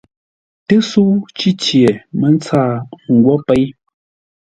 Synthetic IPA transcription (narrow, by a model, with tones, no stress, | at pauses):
tə˦su˦ʔt͡ʃi˦t͡ʃje˨me˦n˦t͡saː˦˨ŋ̩˨ɡwɔ˦pɛ˦j